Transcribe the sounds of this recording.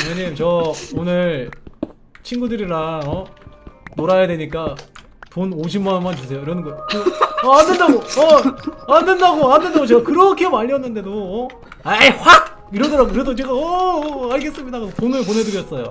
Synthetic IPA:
jeɲimt͡ɕʌonɯɭ | t͡ɕʰinɡudɯɾiɾaŋʌ | moɾajadwe̞ɲik͈a | ponoɕʰimanmant͡ɕusʰe̞joiɾʌnɯŋɡʌkɯʌandendaɡoʌandendaɡoandendaɡot͡ɕeɡakɯɾʌkʰe̞maʎːʌnːɯnde̞doʌ | aɸwak̚ | iɾʌdʌɾaɡokɯɾedot͡ɕe̞ɡaʌaɭɡe̞s͈ɯmɲidakooponɯɭponɦe̞dɯɾjʌs͈ʌjo

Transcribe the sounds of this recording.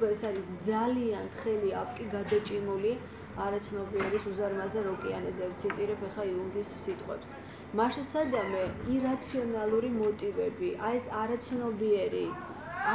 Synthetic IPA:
ɛɛsaɾisd̪zaliant̪ʰχɛliapʰkʼiɡad̪at͡ʃʼinuli | aɾat̪sʰnɔbiɛɾisuzaɾmazɛɾɔkʼianɛzɛvt̪sʰit̪ʼiɾɛpʰɛχaiunɡ̪isːit̪ʼqʼwɛ̰ps | maʃsad̪amɛiɾat̪sʰiɔnalˠuɾimɔt̪ʼivɛbiʔaɛsaɾat̪sʰnɔbiɛɾi

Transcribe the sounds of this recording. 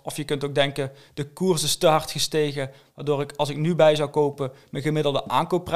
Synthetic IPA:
ɔfjəkɵntowk̚dɛŋkən | d̥əkuːrsɪstəɦɑɹtχəstejɣə | ʋaːɹdoːɹɪkɑlˠsɪknybɛjzɑwkowpəmənɣəmɪdəlˠdəʔaːnkopːr

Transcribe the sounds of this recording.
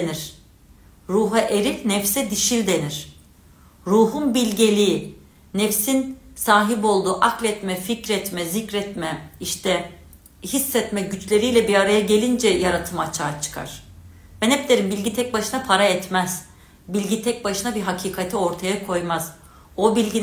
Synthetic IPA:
eniɾ̥ | ɾuːɦaʔeɾinɛfsɛd̪iʃiɾd̪e̞niɾ̥ | ɾuːɦunbilʲɟelʲiji | nɛfsinsaːɦibo̞lˠd̪uːʔaklʲɛt̪mɛficɾɛt̪mɛzicɾɛt̪mɛiʃt̪ʰɛ | hisːɛt̪mɛɟyt͡ʃlʲe̞ɾijlʲɛbiɾaɾajaɟe̞lʲind͡ʒɛjaɾat̪ʰɯmat͡ʃʰaːt͡ʃʰɯ̥kʰa̰ɾ̥ | b̥ɛnɛpd̪eɾimbilʲɟit̪ʰɛc̚baʃɯnapʰaɾaɛt̪mɛz̥ | bilʲɟit̪ʰɛc̚baʃɯnabiɦacʰiːkʰat̪ʰio̞ɾt̪ʰajakʰo̞jmaz̥ | o̞bilʲɟi

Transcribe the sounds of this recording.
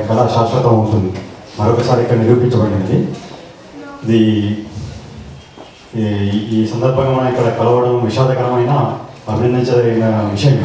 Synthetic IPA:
kːɐɽɐʃaːsɾɐt̪ɐmunʈ̪und̪imɐɾokːɐsaːɾiikːɐɽɐniɾuːpiɲt͡ʃɐbɐɽinɐd̪i | id̪i | iːsɐnd̪ɐɾbʱɐŋɡaːunɐikːɐɽɐkɐlɐʋɐɽɐmʋiʃaːd̪ɐkɐɾɐmɐjnɐɐbʱinɐnd̪iɲt͡ʃɐdɐinɐʋiʂɐjɐm

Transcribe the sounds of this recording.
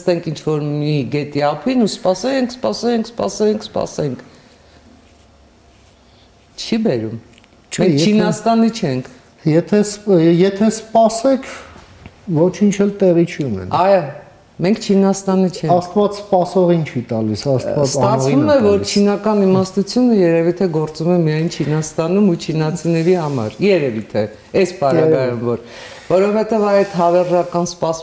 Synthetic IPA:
əst̪ɛŋkʰint͡ʃʰvɔɾmiɡɛt̪iɑpʰinuspɑsɛlɛŋkspɑsɛlɛŋkspɑ̰sɛlɛŋkʰspɑ̰sɛŋkʰ | t͡ʃʰibɛɾum | ɛŋkt͡ʃʰinɑst̪ɑnit͡ʃʰɛŋkʰ | jɛt̪ʰɛsjɛt̪ʰɛspɑsɛkʰ | vɔt͡ʃʰint͡ʃʰɛlt̪ɛʁit͡ʃʰiunɛ̰nɑjɔ | mɛŋkʰt͡ʃʰinɑst̪ɑnit͡ʃʰɛɑst̪vɑt͡sspɑsɔʁint͡ʃʰit̪ɑlisɑsvɑst̪ɑt͡sʰvumɛvɔɾt͡ʃʰinɑkɑnimɑst̪ut͡sʰjunəjɛɾɛvit̪ʰɛɡɔɾt͡sumɛmijɑjnt͡ʃʰinɑst̪ɑnumut͡ʃʰinɑt͡sʰinɛɾiɦɑmɑ̰ɾjɛɾɛvit̪ʰɛ | ɛspɑɾɑɡɑjumvɔɾ | vɔɾɔvhɛt̪ɛvɑjt̪hɑvɛrɑkɑnspɑs

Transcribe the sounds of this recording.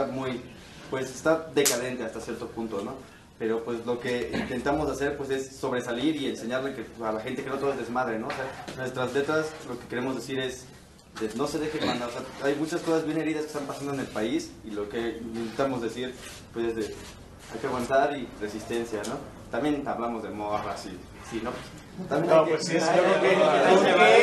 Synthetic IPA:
amuj | pwe̞sest̪aðe̞kaðe̞nt̪e̞ast̪asje̞ɾt̪o̞punt̪o̞no̞ | pe̞ɾo̞pwe̞zlo̞ke̞int̪e̞nt̪amo̞sase̞ɾpwe̞se̞sːo̞βɾe̞saliɾie̞nse̞ɲaɾlekealaxe̞nt̪ekenot̪ɾoezðe̞zmað̞ɾe̞no̞ːse̞anwe̞st̪ɾazle̞t̪ɾaslo̞ke̞̥ke̞ɾe̞mo̞zðe̞siɾe̞s | d̪eno̞se̞ðe̞xemãnd̪aɾoseaajmut͡ʃasko̞sazβje̞ne̞ɾið̞aske̥st̪ampasand̪oenelpaisilo̞keinent̪amo̞zðe̞siɾ | pwese̞se | ajkeaβansaɾire̞sist̪e̞nsjano̞ | t̪ambje̞naβlamo̞zðe̞morasi | sinopes | t̪ambjenoesaaoeaoea

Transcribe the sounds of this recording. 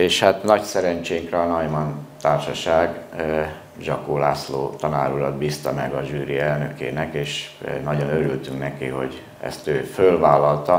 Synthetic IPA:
eːʃhat̪nɒcsɛɾɛnt͡ʃeːiŋkrɛɒnɒjmɒnt̪aːrʃɒʃaːɡ | ʒɒkoːlaːslo̰ːt̪ɒna̰ːɾulɒd̪̚biːst̪ɒmɛɡɒʒyːɾiɛlnø̞kḛːnɛkeːʃnɒɟonøɾylt̪yŋknɛkiɦo̞̰ɟ | ɛ̰st̪øːfølvaːlːɒlt̪ɒ

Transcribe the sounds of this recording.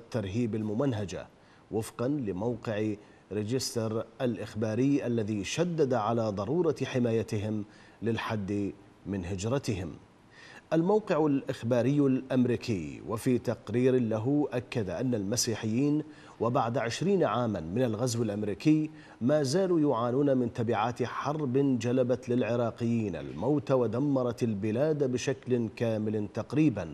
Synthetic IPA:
t̪ːɑɾˤɦiːbalmʊmanɦad͡ʒa̰ | wɪfqɑnlɪmawqɪʕ | ɾɪd͡ʒɪst̪ɑɾʔalʔɪxbaːɾɪjːʔalːaðiʃad̪ːad̪aʕalaːd̪ˤɑɾˤuːɾˤɑħɪmaːjat̪ɪɦɪm | lɪlħad̪ː | mɪnhɪd͡ʒɾˤɑt̪ɪhɪm | ʔalmawqɪʕalʔɪxbaːɾɪjːalʔamɾiːkʰɪːwafiːt̪ɑqɾiːɾɪlaɦʊʔakːad̪aʔanːalmasiːħɪjːiːn | wabaʕd̪aʕɪʃɾiːnʕaːmanmɪnalɣazwɪlʔamɾiːkɪjː | maːzaːluːjʊʕaːnuːnamɪnt̪abɪʕaːt̪ħɑɾˤbɪnd͡ʒalabat̪lɪlʕɪɾˤɑːqɪjːiːna̰lmawt̪awad̪amːɑɾˤɑt̪albɪlaːd̪abɪʃaklɪnkaːmɪlt̪ɑqɾiːban

